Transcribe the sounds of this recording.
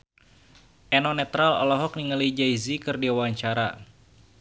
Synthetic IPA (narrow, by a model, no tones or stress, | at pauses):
ʔɛnɔnɛt̪ɾalɔ̰lɔɦɔk̚niŋəlid͡ʒaizikɨrdiawaɲt͡ʃaɾa̰